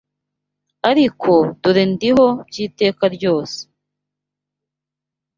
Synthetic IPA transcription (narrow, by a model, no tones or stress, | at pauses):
aɾikʰo̞tuɾendiɦo̞bɟiːte̞ːkaɾɟo̞ːse̥